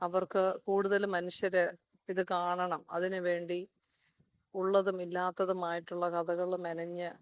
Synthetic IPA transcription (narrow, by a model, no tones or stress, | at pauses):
ɐʋɐrkɨkuːɽuðɐlmɐnuɕjɐɾɨ | iðɨkaːɳɐɳɐmɐðinɨʋe̞ːɳɖi | uɭːɐðumilːaːt̪ːɐðumaːjiʈːuɭːɐkɐðɐɣɐɭumɐnɐɲːɨ